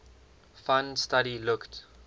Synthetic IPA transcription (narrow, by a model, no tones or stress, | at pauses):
fãnstaɾilʊkt